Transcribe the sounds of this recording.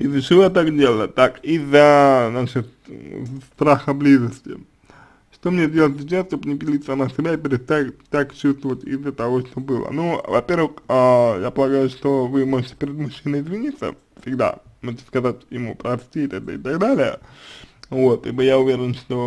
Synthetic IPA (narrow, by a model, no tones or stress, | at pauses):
izət͡ɕɪlat̪akdʲelˠəət̪akizənaʂɪt̪ | st̪ɾaxəblʲizəsʲtʲɪ̰ | ʂt̪omnʲedʲe̞lˠət̪ʲsʲɪt͡ɕasʲt̪opnʲɪpʲɪlʲit̪sənəsʲɪbʲaɪpʲɪɾʲɪst̪ajt̪akt͡ɕust̪vəvətʲḭzːət̪ɐvo̞ʂt̪o̞bɨlˠə̰nuvɐpʲe̞rvɨxajapəlˠɐɡajʊʂt̪o̞vɨmo̞ʐɨtʲɪpʲeɾʲɪd̪mʊɕːinəɪzvʲɪnʲit̪sə̰ | sʲɪɡ̚d̪a̰moʐɨtʲɪ̥skɐzatʲjɪmupɾɐsʲtʲit̪aɡ̚d̪aɪt̪aɡd̪alʲɪjə̰ | vo̞t̪ibɨjaʊvʲeɾʲɪnʂt̪o̞